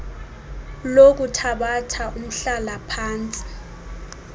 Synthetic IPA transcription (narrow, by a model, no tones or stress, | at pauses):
lok̬utʰaɓatʰaʔum̩ɬalapʰaːnt͡sʼi̥